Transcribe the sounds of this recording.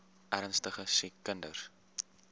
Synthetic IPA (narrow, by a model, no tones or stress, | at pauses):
ʔæɾnstəχəsikəndə̰r